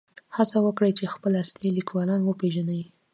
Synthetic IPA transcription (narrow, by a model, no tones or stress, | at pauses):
hasawəkɽəjt͡ʃexpəlaslilikwɑlɑnwəpeʒanawi